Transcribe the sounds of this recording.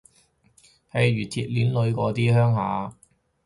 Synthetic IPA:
hɐ˨jɥyː˨˩t̪ʰiː˧t̚liː˨˥nlɵ˨˧ɥkɔː˨˥t̪iː˥hœː˥ŋhaː˨˧

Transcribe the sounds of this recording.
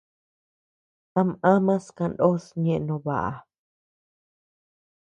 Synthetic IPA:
t̪a˧mã˦mã˦skã˧ndo˦sɲẽ˦ʔnõ˧βa̰˨ʔa̰˨

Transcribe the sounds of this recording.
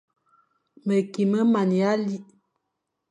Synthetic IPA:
mə˨ki˨mə˦ma˨n˨a˦li˦ʔ

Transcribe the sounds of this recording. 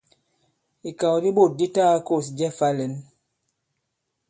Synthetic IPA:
i˨ka˨wdi˦bo˦˨t̚di˦taː˦ko˦˨s̬d͡ʒɛ˦fa˦le˨˦n

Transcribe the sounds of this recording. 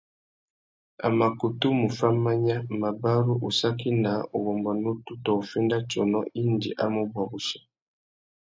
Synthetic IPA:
a̰˨ma˨ku˨tu˦mu˨fa˦ma˦ɲa˦ma˨ba˦ɾu˦ʔu˨sa˦ki˦na˨o˨ɣɔ˨mba˨no˦tu˦tɔ˨o˨fɛ˦nda˦t͡ʃɔ˨nɔ˦ʔi˦ndḭ˨ʔa˦mu˦bwa˨bu˨ʃḁ˨

